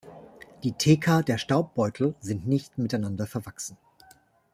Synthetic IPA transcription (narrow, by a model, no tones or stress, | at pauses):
d̥iːtʰeːkʰɐdeːɐʃtaʊp̚b̥ɔʏtʰl̩zɪntnɪçtmɪtaɪnandɐfɛɐvaksn̩